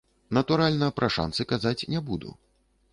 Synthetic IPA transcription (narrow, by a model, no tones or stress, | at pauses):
nɐt̪uɾalʲnɐpɾʔɐʂa̰nsɨkazat͡sʲnʲɛbud̪ṵ